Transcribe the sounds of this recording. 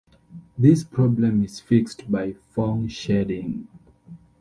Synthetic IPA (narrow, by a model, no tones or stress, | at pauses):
ðispʰɹɔblɛ̃miz̥fikstbajfɔ̃ŋʃɛdĩŋ